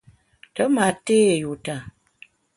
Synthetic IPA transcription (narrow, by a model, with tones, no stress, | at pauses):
tə˨˦ma˨te˦˨ju˨ta˨